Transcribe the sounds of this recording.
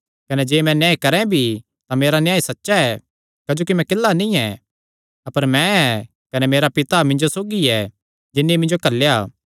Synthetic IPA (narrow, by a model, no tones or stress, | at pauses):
kɐned͡ʒeːmɛ̃njãːikɐɾɛ̃bʱi | t̪ameːɾanjaːisɐtːʃaɛ | kaːd͡ʒoːkimɛ̃kɪlːanĩɛ | ɐpəɾmɛ̃ɛ | kɐnemeːɾapɪt̪amɪ̃nd͡ʒosoːɡiɛ | d͡ʒɪnːimɪ̃nd͡ʒokɐlːjaː